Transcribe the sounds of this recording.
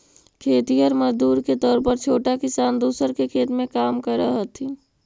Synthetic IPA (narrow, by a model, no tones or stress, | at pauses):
kʰeːt̪ijəɾməd͡ʒd̪uːɾket̪ɔːɾpəɾt͡ʃʰoːʈakɪsaːnd̪uːsəɾkekʰeːt̪mẽkaːmkəɾəɦət̪ʰi